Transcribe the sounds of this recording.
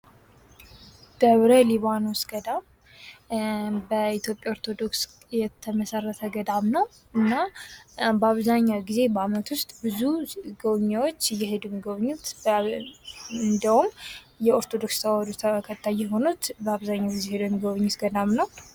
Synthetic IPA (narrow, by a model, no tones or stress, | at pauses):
d̪̥əβɾəliβanosɡ̥əd̪am | bəit̪jo̞pʼjaoɾt̪ʰo̞d̪o̞ks | jɛt̪ʰːəməsərːət̪ʰəɡəd̪amnəw | ɨnːa | bəaβzaɲːawɡize̞bəamət̪wʊst̪ʼbɨzuɡəβɲːawot͡ʃːjɛhe̞d̪umiɡəβɨɲːut̪ | ɨnd̪əhum | jɛoɾt̪ʰod̪o̞kst̪ʰawad̪ut̪ʰkʰət̪ʰːajːɛɦo̞nut̪bəaβzaɲːawɡizehed̪uməɡəβɨɲːut̪ɡəd̪amnəw